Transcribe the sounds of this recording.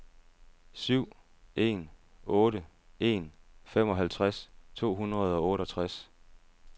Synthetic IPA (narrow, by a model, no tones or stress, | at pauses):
syʊ̰ | e̝̰nɔ̽ːɾə | e̝̰nfem̰ɒ̽ɦælt͡sʰʁast͡sʰo̝̰ːɦunʁɐð̞ˠɒ̽ɔ̽ːɾəɒ̽t͡sʰʁas